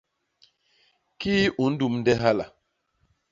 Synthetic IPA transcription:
ki˦ʔu˨n̩˦du˨mn̩˦dɛ˦ɦa˦la̰˨

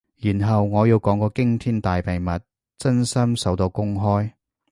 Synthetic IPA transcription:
jiː˨˩nɦɐ˨wŋɔː˨˧jiː˧wkɔː˨˥ŋkɔː˧kɪ˥ŋt̪ʰiː˥nt̪aː˨jpe˨jmɐ˨t̚ | t͡sɐ˥nsɐ˥msɐ˨˥wt̪o˧wkʊ˥ŋɦɔː˥j

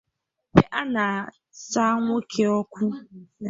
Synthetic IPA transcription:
pe˦ʔa˦nã˨ | sa˦ŋʷʊ˦kʰe˨ɔ˦kʷʰu˦

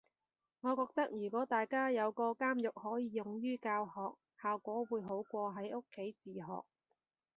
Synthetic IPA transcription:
ŋɔː˨˧kɔː˧k̚t̪ɐ˥k̚jyː˨˩kʷɔː˨˥t̪aː˨jkaː˥jɐ˨˧wkɔː˧kaː˥mjʊ˨k̚hɔː˨˥jiː˨˧jʊ˨ŋjyː˥kaː˧wɦɔː˨k̚ | haː˨wkʷɔː˨˥wuː˨˧jɦo˨˥wkʷɔː˧ɦɐ˨˥jʔʊ˥kʰːe˨˥jt͡siː˨ɦɔ̰ː˨k̚

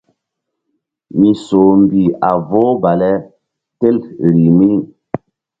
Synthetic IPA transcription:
mi˨so˨m˨bi˨a˨vo˦ba˨lɛ˦ | tɛ˦lɾi˨mi˦

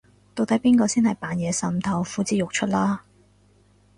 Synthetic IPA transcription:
t̪o˨˧wt̪ɐ˨˥jpiː˥nkɔː˧siː˥nhɐ˨jpaː˨˧njɛː˨˧sɐ˧mt̪ʰɐ˧wfuː˨˥t͡siː˨˥jʊ˨k̚t͡ʃʰɵ˥t̚laː˥

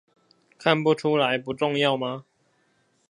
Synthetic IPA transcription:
kʰa˥˨npu˥˧ʈ͡ʂʰu˥la˨˦ɪpu˨˦ʈ͡ʂʊ˥˧ŋjɑ˥˨ʊma˧

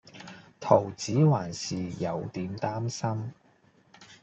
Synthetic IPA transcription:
t̪ʰo˨˩wt͡siː˨˥waː˨˩nsiː˨jɐ˨˧wt̪iː˨˧mt̪aː˥msɐ˥m

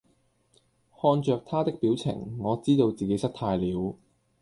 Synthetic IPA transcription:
hɔː˧nt͡ʃœː˨˧k̚t̪ʰaː˥t̪ɪ˥k̚piː˨˥wt͡sʰɪ̰˨˩ŋːɔː˨˧t͡siː˥t̪o˧wt͡siː˨ke˨˥jsɐ˥k̚t̪ʰaː˧jliː˨˥w

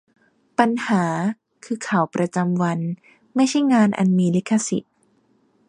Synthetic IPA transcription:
pa˧nhaː˩˦ | kʰɯː˧kʰa˨˩˦wpɾa˧t͡ɕa˧mwa˧n | ma˥˩jt͡ɕʰa˥˩jŋaː˧nʔa̰˧nmiː˧li˦˥kʰːa˧si˨˩t̪̚

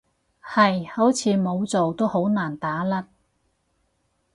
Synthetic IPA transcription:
hɐ˨jho˨˥wt͡sʰiː˨˧mo˨˧wt͡so˨wt̪o˥who˨˥wnaː˨˩nt̪aː˨˥lɐ˥t̚

